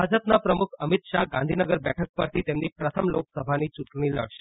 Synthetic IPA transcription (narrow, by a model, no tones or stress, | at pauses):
ad͡ʒəpnapɾəmukʰəmit̪ʃaɡãnd̪ʱinəɡəɾbɛʈʰək̚pəɾt̪ʰit̪emnipɾət̪ʰəmloksəbʱanit͡ʃuʈɽ̃ilə̰ɽʃ